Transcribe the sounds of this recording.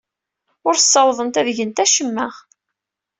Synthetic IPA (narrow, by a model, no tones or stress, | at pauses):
ʊɾθsˤːɑwðˤənt̪æðʝənt̪æʃəmːæʁ